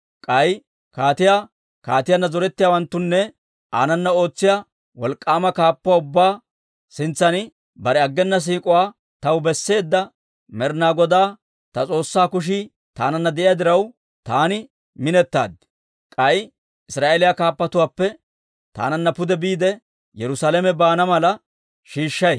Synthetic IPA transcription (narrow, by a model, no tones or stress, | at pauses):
kʼɐj | kaːt̪ɪja | kaːt̪ɪjanːɐzɔɾɛt̪ːɪjaːwɐnt̪ːʊnːɛ | a̰ːnɐnːɐo̞ːt͡sːɪja | wɔlkʼːaːmɐkaːpːʊwaːʊbːaː | sɪnt͡sːɐnɪ | bɐɾɛɐɡːɛnːɐs̬iːkʼʊwaː | t̪ɐwbɛsːe̞ːd̪ːɐ | mɛɾnaːɡɔd̪aː | t̪ɐt͡sʼo̞ːsːaːkʊʃ̬ɪ | t̪a̰ːnɐnːɐd̪ɛʔɪjaːd̪ɪɾɐw | t̪aːnɪ | mɪnɛt̪ːa̰ːd̪ɪ | kʼɐj | ʔɪsɾaːʔelɪjakaːpːɐt̪ʊwaːpːɛ | t̪a̰ːnɐnːɐpʊd̪ɛbiːd̪ɛ | jɛɾʊsaːlɛmɛbaːnɐmɐlɐ | ʃiːʃːɐj